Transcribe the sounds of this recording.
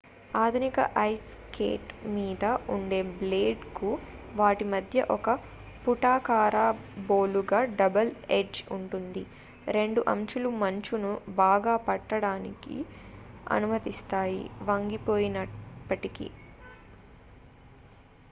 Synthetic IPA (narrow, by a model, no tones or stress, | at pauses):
aːd̪ʱunikɐ̰ʔɐjs | kḛːʈmiːd̪ɐuɳɖe̞ːbleːɖkuʋaːʈimɐd̪ʱjɐʔɔkɐ | puʈaːkaːɾaːboːluɡaːɖɐbɐled͡ʒuɳʈund̪i | ɾe̞ɳɖuʔɐ̰mt͡ʃulumɐɲt͡ʃunubaːɡaːpɐʈːɐɽaːnḭkḭ | ɐ̰numɐt̪ist̪aːjḭʋɐŋɡipo̞ːjinɐpːɐʈikḭ